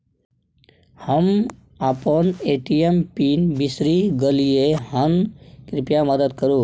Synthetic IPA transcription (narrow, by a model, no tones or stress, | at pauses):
həm | apəneʈijempiːnbisɾiɡəliehənkɾɪpjaməd̪əd̪kəɾuː